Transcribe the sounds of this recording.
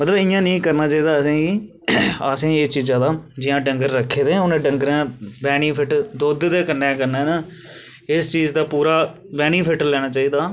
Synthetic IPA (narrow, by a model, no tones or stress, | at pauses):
mət̪ləbɪjãːnĩːkəɾnaːt͡ʃaːiːd̪aːəsẽːɡiː | əsẽːet͡ʃiːzãːd̪aːd͡ʒɪjãːɖəŋɡəɾːəkʰːeːd̪ẽːʊnẽːɖəŋɡəɾãːbɛːniːpʰɪʈd̪oːd̪d̪eːkənːeːkəɾneːnaː | ɪst͡ʃiːd͡ʒd̪aːpuːɾaː | bɛːniːpʰɪʈlɛːñaːt͡ʃaːiːd̪aː